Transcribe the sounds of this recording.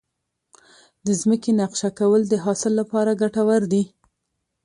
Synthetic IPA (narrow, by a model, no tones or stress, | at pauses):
d̪əzməkenaqʃakawəld̪əɦɑsɪlːapɑɾaɡaʈawaɾd̪i